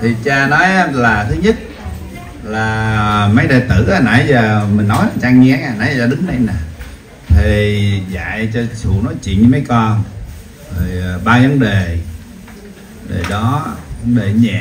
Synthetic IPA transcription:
t̪ʰi˨˩t͡ɕaː˧nɔ˨˦jʔa˦laː˨˩t̪ʰɨ˨˦ɲə˦˥t̚ | laː˨˩mə˨˦jɗaː˨jt̪ɨ˧˩aː˨˧˦na̰˧˨˩jzəː˨˩mï̟˨˩nɔ˨˦jla˨˩t͡ɕaː˧ŋi˧ŋaː˨˩na̰˧˨˦jaː˧˩ɗɨ˨˦ŋna˧˨jnaː˨˩ | t̪ʰi˨˩za̰ː˧˨jt͡ɕɔ˧t͡ɕṵ˧˩˨nɔ˨˦jt͡ɕḭ˧˨nɲɨ˧mə˨˦jkɔ˧n | zo˨˩jɓaː˧və˨˦nɗe˨˩ | ɗe˨˩ɗɔ˨˦və˨˦nɗe˨˩ɲɛ̰˧˨

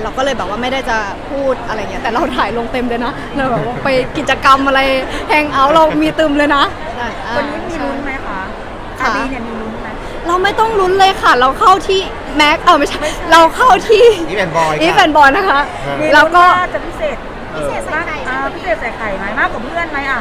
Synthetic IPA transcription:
ɾa˧wkɔː˥˩lɤː˧jbɛː˨˩p̚waː˥ma˥˩jdaː˥˩jt͡ɕa˨˩ | pʰuː˥˩t̪̚ʔa˧ɾa˧jːŋːi˦˥t̪ɛː˨˩ɾa˧wt̪ʰaː˩˦jlo˧ŋt̪e˧mdoː˧jna˦˥ | ɾa˧wbɛː˨˩waː˥˩pa˧jki˨˩t̪̚t͡ɕa˧ka˧mʔa˧ɾa˧jhɛ˧˥˩ŋʔa˦˥˩wɾa˧wmiː˧t̪ɯː˧mlɤː˧jna˦˥˧ | a˧o˧nːiː˦˥miː˧lu˦˥nma˦˥jkʰa˦˥ | kʰa˧˩di˧ni˧˩miː˧lu˧˥n˧ma˦˥ | ɾa˧wma˥˩jt̪ɔ˥˩ŋlu˦˥nlɤː˧jkʰa˥˩ɾa˧wkʰa˥˩wt̪ʰiː˥˩ | mɛ˦˥k̚ʔaː˧˩wma˥˩t͡ɕʰa˥˩˥ɾa˧wkʰa˥˩wt̪ʰiː˥˩˦nbɔ˧ʔiː˦˥pɛ˨˦nbɔː˨˧˩jna˦˥kʰa˦˥ | miː˧lɛː˦wkɔː˥˩aː˥˩t͡ɕa˨˩pʰi˦˥seː˨˩t̪̚ | pi˦˥seː˨˩a˧a˦˧˥a˨˩a˧a˨˩pʰi˦˥eː˨˩t̪̚sa˨˩kʰa˨˩jmaː˨˩˦jmaː˥˩kwaː˨˩pʰɯ˥˩ənma˦˥jʔa˨˩

